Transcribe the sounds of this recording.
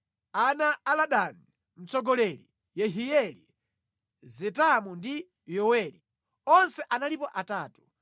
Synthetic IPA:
anaːlaɗani | m̩t͡sɔɡɔlɛli | jɛɦijɛlḭ | zɛtamundi | jɔwɛlḭ | ɔnsɛʔanalipɔʔataːtu̥

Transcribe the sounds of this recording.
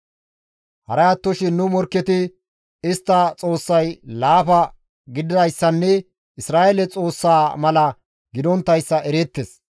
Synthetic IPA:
hɐ̰ɾɐɐt̪ːɔʃɪnːʊmɔɾkːɛt̪ɪ | ɪst̪ːɐt͡sʼo̞ːsːɐjlaːfɐ | ɡɪd̪ɪd̪ɐjsːɐnːɛ | ʔɪsɾaːʔelɛt͡sʼo̞ːsːaːmɐlɐ | ɡɪd̪ɔnt̪ːɐjsːɐʔɛɾeːt̪ːes

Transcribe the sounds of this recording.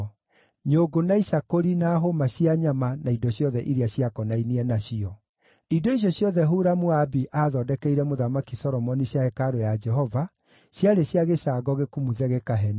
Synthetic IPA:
ɲoːɡonaiʃakoɾinaːɦomaɕiaɲamanaidɔɕjɔðɛʔiɾiaɕiakɔnainiɛnaɕiɔ | idoiɕ̬jɔɕjɔðɛɦuɾamoabiʔaːðɔdɛkɛiɾɛmoðamakisɔɾɔmɔniɕjaɛkaɾojad͡ʒɛɦɔva | ɕjaɾeɕjaɣeɕaːɡɔɣekumuðɛɣɛkaɦɛni

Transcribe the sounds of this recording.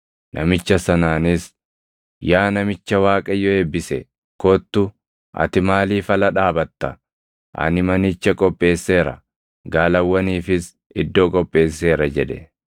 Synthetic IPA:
nʔɐmɪt͡ʃːɐsɐnaːnɪs | jaːnɐmɪt͡ʃːɐwaːkʼɐjɔeːbːɪsɛ | kɔt̪ːʊ | ʔɐ̰t̪ɪmaːliːfɐlɐᶑaːbɐt̪ːɐ | ʔɐ̰nɪmɐnɪt͡ʃːɐkʼɔpʼːe̞ːsːe̞ːɾɐ̰ | ɡaːlɐwːɐniːfɪs | ɪd̪ːo̞ːkʼɔpʼːe̞ːsːe̞ːɾɐd͡ʒɛᶑɛ

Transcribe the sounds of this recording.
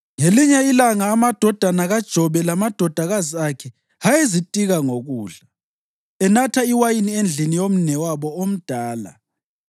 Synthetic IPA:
ŋeliɲɛilaŋaːmad̥ʱɔd̥ʱanaɣad̥ʒ̥ʱɔβɛlamad̥ʱɔd̥ʱaɣaziakʰɛ | hajezitʼiɣaŋoɣuːɮa | ɛnatʰaiwajiniend͡ɮʱinijom̩nɛwaβɔom̩d̥ʱaːla̰

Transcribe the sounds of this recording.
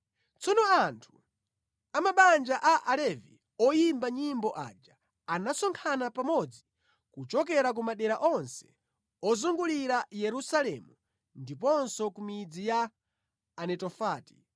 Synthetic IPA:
t͡sɔnɔantʰu̥ | amaɓand͡ʒaʔaʔalɛvḭ | ɔjimbaɲimbɔʔa̰ːd͡ʒa | anasɔŋkʰanapamɔd͡zi | kut͡ʃɔk̬ɛɾak̬umaɗɛɾaʔɔnsɛ̥ | ɔzuŋɡuliɾajɛɾusalɛmu | ndip̬ɔnsɔkumid͡zijaː | nɛtɔfaːti̥

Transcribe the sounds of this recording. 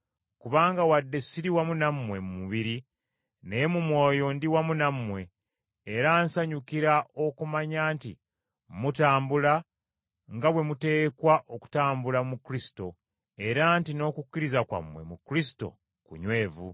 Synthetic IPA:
kuβaːŋɡawadːe̞siɾiwamunamːwe̞mumuβiɾi | nemumwo̞ːjo̞ndiwamunamːwe̞ː | ɾaːnsaɲukiɾaʔo̞kumaɲaːnti | mutaːmbula | ŋɡaβwe̞mute̞ːkwaʔoku̥taːmbulamukɾisi̥to̞ | e̞ɾaːntino̞ːkukʲːiɾizakwa̰mwe̞̰mukɾisi̥to̞̰ | kṵɲwe̞ːvṵ

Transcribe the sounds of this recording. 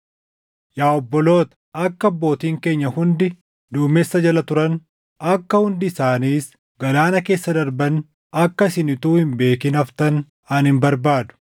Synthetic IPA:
jaːɔbːɔlo̞ːt̪ɐ̥ | ɐkːɐbːo̞ːt̪iːŋke̞ːɲːɐhʊnd̪ɪ | d̪uːmesːɐd͡ʒɐlɐt̪ʊɾɐn | ɐkːɐhʊnd̪ɪːsaːniːs | ɡɐlaːnɐke̞ːsːɐd̪ɐɾbɐn | ɐkːɐɪsɪnɪt̪uːhɪmbe̞ːkɪnɐft̪ɐn | ɐnhɪmbɐɾbaːd̪ʊ̥

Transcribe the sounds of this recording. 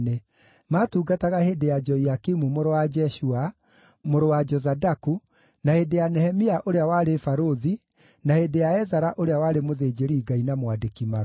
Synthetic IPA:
ne | maːtuːɡataɣaheːdejad͡ʒɔiakimumoɾowad͡ʒɛʃua | moɾowad͡ʒɔzadaku | nahedejanɛhɛmiaʔoɾeawaːɾefaɾoði | nahedejaɛzaɾaʔoɾeawaɾemoðeːd͡ʒeɾiːɡainamwadekima

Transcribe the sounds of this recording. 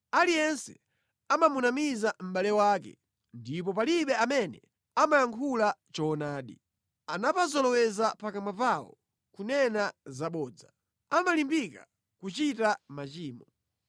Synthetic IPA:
alijɛnsɛ̰ | amamunamizam̩ɓalɛwaːkɛ̰ | ndip̬ɔp̬aliɓɛamɛnɛ̰ | amajaŋkʰulat͡ʃɔːnaːɗi | anapazɔlɔwɛzapakamapawɔ̰ | kunɛnazaɓɔːd͡za | amalimbika | kut͡ʃitamat͡ʃiːmɔ

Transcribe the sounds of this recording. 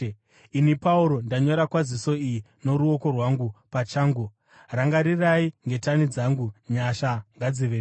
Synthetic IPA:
inipauɾo̞ndaɲo̞ɾakwaziso̞iji | no̞ɾuo̞ko̞rwaŋɡupat͡ʃaːŋɡu | raŋɡaɾiraiŋɡe̞tanid͡zaŋɡuɲaʃaŋɡad͡ziʋe

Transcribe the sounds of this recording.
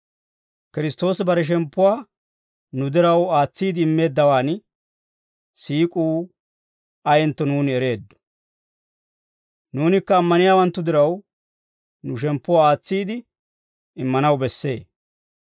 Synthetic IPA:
kɪɾɪst̪o̞ːsbɐɾɛʃ̬ɛmpːʊwaː | nʊd̪ɪɾɐwaːt͡sːiːd̪ɪɪmːe̞ːd̪ːɐwaːn | siːkʼuː | ɐjɛnt̪ːɔnuːnɪɛɾe̞ːd̪ːɔ̥ | nuːnɪkːɐːmːɐnɪjaːwɐnt̪ːʊd̪ɪɾɐw | nʊʃ̬ɛmpːʊwaːaːt͡sːiːd̪ɪ | ɪmːɐnɐwbɛsːe̞̰ː

